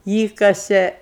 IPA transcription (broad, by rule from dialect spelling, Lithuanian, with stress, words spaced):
ˈiːkɐsʲeː